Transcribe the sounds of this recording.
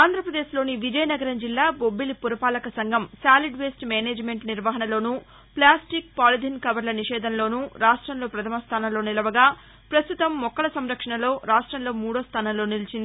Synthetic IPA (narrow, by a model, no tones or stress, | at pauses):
aːnd̪ʱɾɐpɾɐd̪eːʃlo̞ːniʋid͡ʒɐjɐnɐɡɐɾɐmd͡ʒilːaːbobːilipuɾɐpaːlɐkɐsɐŋɡʱɐmsaːliɖʋeːsʈmɛːneːd͡ʒme̞ɳʈniɾʋɐɦɐnɐlo̞ːnu | plaːsʈik̚paːlid̪ʱinkɐʋɐɾlɐniʃɛːd̪ʱɐnlo̞ːnuɾaːʂʈɾɐmlo̞ːpɾɐt̪ʰɐmɐst̪ʰaːnɐmlo̞ːnilɐʋɐɡaː | pɾɐst̪ut̪ɐmːɔkːɐɭɐsɐmɾɐkʂɐɳɐlo̞ːɾaːʂʈɾɐmlo̞ːmuːɽoːst̪ʰaːnɐmlo̞ːnilit͡ʃind̪i